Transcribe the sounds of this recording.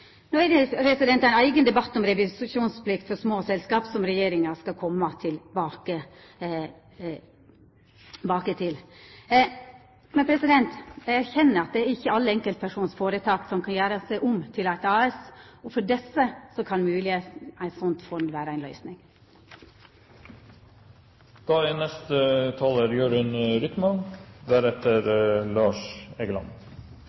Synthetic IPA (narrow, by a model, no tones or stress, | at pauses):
noːæd̪əpɾɛsɪd̪ɛnt̪æɪnæɪɡənd̪ɛbɑt̪ːɔmɾɛʋɪsʂuːnspʰlɪkt̪fɔɾʂmoːsɛlskɑːpsɔmɾɛjeːɾɪŋɑʂkɑlkʰɔmːɑt̪ʰɪlbɑːkə | bɑːkət̪ʰɪl | mɛnpʰɾɛsɪd̪ɛnt̪ææɾçɛnːəɾɑt̪̚d̪ɛæɾɪçːəɑlːəɛŋkəlt̪̚pʰæʂuːnsfoːɾət̪ʰɑːksɔmkʰɑnjæːɾəsæɪʔʊmt̪ʰɪlæɪt̪ɑːɛsɔfɔɖɛsːəsɔkʰɑnmʉːlɪeːt̪æɪt̪sɔnt̪fɔnd̪ʋæːɾəæɪnlœʏsnɪŋ | d̪̥ɑːɪnɛst̪ət̪ʰɑːloːɾjøːɖɪnɾɪk̪mɑnd̪æɾɛt̪əɾlɑːʂɛɡəlɑ̰n